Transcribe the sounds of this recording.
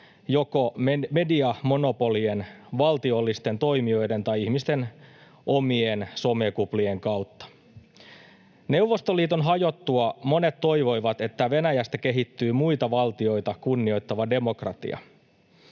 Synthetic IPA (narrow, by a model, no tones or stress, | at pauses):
jo̞ko̞me̞diɑmo̞no̞po̞lienʋɑlt̪io̞lːist̪e̞nt̪o̞imio̞jde̞nt̪ɑjihmist̪e̞n | ʔo̞mienso̞mekuplie̞ŋkɑwt̪ːɑ̥ | ne̞uwʋːo̞st̪oliːt̪o̞nɦɑjo̞t̪ːuɑmo̞ne̞t̪to̞ijʋo̞jʋɑt̪e̞t̪ːæʋe̞næjæst̪æke̞ɦit̪ːyːmuit̪ɑʋɑlt̪io̞jt̪ɑkunːio̞jt̪ːɑʋɑde̞mo̞krɑt̪ḭɑ̰